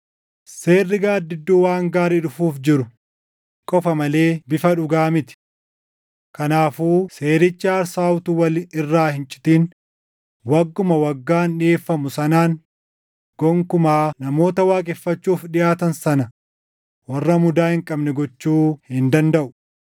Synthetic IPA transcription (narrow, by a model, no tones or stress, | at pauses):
se̞ːrːɪɡaːd̪ɪd̪ːuːwaːŋɡaːɾɪᶑʊfuːfd͡ʒɪɾʊ | kʼɔfɐmɐle̞ːbɪfɐᶑʊɡaːmɪt̪ɪ̥ | kɐnaːfuːse̞ːɾɪt͡ʃːɪɐɾsaːwt̪uːwɐlɪrːaːhɪnt͡ʃʼɪ̥t̪iːn | wɐɡːʊmɐwɐɡːaːnᶑɪeːfːɐmʊsɐnaːŋ | ɡ̥ɔŋkʊmaːnɐmo̞ːt̪ɐwaːkʼɛfːɐt͡ʃːuːfᶑɪjaːt̪ɐnsɐnɐ | wɐrːɐmʊd̪aːhɪŋkʼɐbnɛɡɔt͡ʃːuːhɪnd̪ɐnd̪ɐʔʊ̥